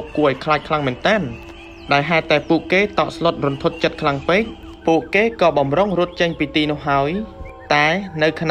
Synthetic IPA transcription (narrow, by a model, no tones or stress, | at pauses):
p̚kuəʔaɔjkʰlaːc̚kʰlaŋmɨənt̪ɛːn | ɗaɛlɦaɛt̪ːaɛpuəʔkeːt̪ɑːʔslŏət̪̚rŭnt̪ʰot̪̚t͡ɕət̪̚kʰlaŋpeːc̚ | puəʔkeːkɑːɓɑmroŋruət̪̚t͡ɕəɲpiːt̪iːnʊ̆əhɦaəj | t̪aɛnɨwkʰn